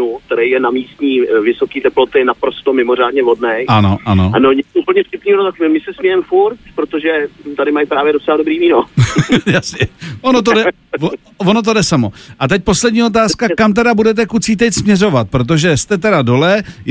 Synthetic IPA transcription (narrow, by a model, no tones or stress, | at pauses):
uk̚t̪ɛɾɛjjɛnamiːst̪ɲiːvɪsokiːt̪ɛplot̪ɪnapɾo̞st̪omɪmor̝aːdɲɛvodnɛjʔanoʔanoanoɲɛupl̩ɲɛfcʲɪpniːɦonot̪akmɪsɛsmɛjɛmfuɾt̪pɾot̪oʒɛt̪adɪmajpɾaːvjɛdot͡sɛladobɾiːviːnojasɲɛʔonot̪̬odɛ | vono̞t̪̬o̞dɛsamo̞ʔat̪ɛc̚po̞slɛdɲiːo̞t̪̬aːskakamt̪ɛdabudɛt̪̬ɛkut͡siːt̪̬ɛcsmɲɛro̞vat̪̚pɾot̪̬o̞ʒɛst̪ɛt̪ɛɾado̞lɛ